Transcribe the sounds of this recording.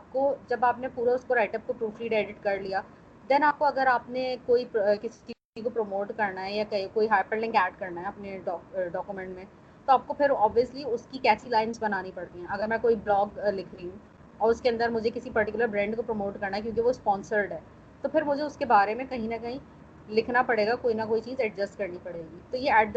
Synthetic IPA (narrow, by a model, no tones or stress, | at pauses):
aːp̚kod͡ʒɐbaːpnepuːɾaʊskoɾaːɪʈəp̚kopɾuːfʰliɖeːɖɪʈkɐɾlijaː | d̪ɛnaːp̚koɐɡəɾaːpnekoːipkɪsi̥t͡ʃi | ikopɾomoːʈkɐɾnaɦɛjakɐikoːiɦaːpəɾlɪ̃ŋkɛːʈkɐɾnaɦɛɐpneɖɔːɖɔːkjumɛ̃ɳʈmẽ | t̪oaːp̚kopʰɪɾɔːbʋiəsliʊskikɛːt͡ʃilaːɪnsbɐnaːnipɐɽt̪iɦɛ̃ɐɡəɾmɛ̃koːiblɔːɡlɪkʰɾiɦũː | ɔːɾʊskeɐ̃nd̪əɾmʊd͡ʒʱekɪsipɐɾʈɪkjʊləɾbɾɛ̃ːɳɖkopɾomoːʈkɐɾnaɦɛkjõːk̬iʋospɔ̃ːnsəɾɖɦɛː | t̪opʰɪɾmʊd͡ʒʱeʊskebaːɾemẽkɐɦĩnɐkɐɦĩ | lɪkʰnapɐɽeːɡakoːinɐkoːit͡ʃiːzɛɖd͡ʒɐsʈkɐɾnipɐɽeːɡiːt̪ojeɛːɖ